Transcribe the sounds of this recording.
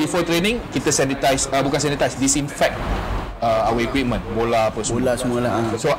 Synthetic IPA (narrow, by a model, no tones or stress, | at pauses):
bifɔt̪ɾenĩŋkit̪əsanit̪ajsəbukãnsɛnit̪ajsdisĩnfɛk̚t̚ | əawəikwip̚mə̃nbolapəsolasəmũalaso